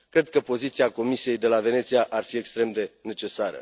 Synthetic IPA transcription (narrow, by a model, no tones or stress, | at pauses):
kɾe̞d̪̚kəpo̞zit̪siako̞misie̞jd̪e̞lave̞ne̞t̪siaʔarfie̞kst̪ɾe̞md̪e̞ne̞t͡ʃe̞saɾə̰